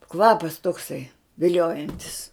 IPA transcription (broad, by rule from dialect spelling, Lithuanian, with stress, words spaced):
ˈkʋɑːpɐs toːkˈsɐɪ ʋʲɪˈlʲoːjɛnʲtʲɪs